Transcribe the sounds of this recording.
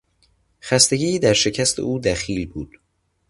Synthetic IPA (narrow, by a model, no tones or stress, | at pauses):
xæst̪e̞ɟiːd̪æɾʃe̞cʰæst̪ʰḛʔuːd̪æxiːlbuːd̪̥